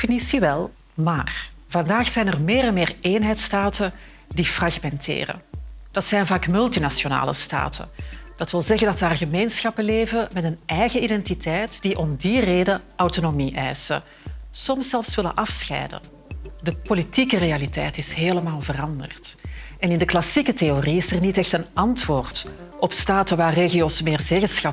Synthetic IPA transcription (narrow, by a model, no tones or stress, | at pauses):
finisiʋɛlˠ | maːrvɑndaːxsɛjnərmeːɾɛnmeːreːnɦɛjtstaːtʰə | difrɑɣmɛntʰḛːrə̰d̥ɑtsɛjnvaːkmʏlˠtinasjona̰ːlə̰sta̰ːtʰə̰d̥ɑtʋɪlˠzɛɣəndɑtaːrɣəmeːnsxɑpəleːvəmɛtənʔɛjɣəidɛntitʰɛjtd̥iʔɔmdireːdəʔawtonomiʔɛ̰jsə̰ | sɔmsɛlˠfsʋɪlə̰nʔɑfsxɛ̰jdə̰ | dəpolitikərealitɛ̰jtɪsɦeːləmaːlˠvərɑndə̰rtɛnɪndəklɑsikəteoriɪsərnitɛxtənɑntwoːrt | ɔpstaːtəʋaːrːeːɣijoːsmeːrzeːɣənsxɑ